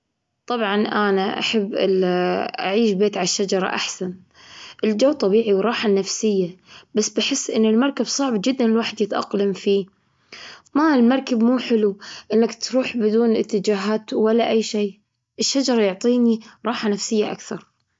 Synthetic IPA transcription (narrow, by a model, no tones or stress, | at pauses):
t̪ˤɑbʕɑnʔanaʔa̰ħabːʔɪ̰ʔaʕiːʃbeːt̪ʕalaʃːad͡ʒɑɾˤɑ̰ʔaħsan | ʔɪld͡ʒawːt̪ˤɑbiːʕiwɾˤɑːħanafsɪjːabasːbɪħɪsːʔɪnːɪlmɑɾˤkabsˤɑʕbd͡ʒɪd̪ːanɪlwaːħɪd̪jɪt̪ʔɑ̰qlamfiː | maːɪlmɑɾˤkabmuːħɪluʔɪnːakt̪ɾuːħbɪd̪uːnʔɪt̪ːɪd͡ʒaːɦaːt̪walːaʔajːʃeː | ʔɪʃːad͡ʒɑɾˤɑjʊʕt̪ˤiːniɾˤɑːħanafsɪjːaʔa̰kθɑɾˤ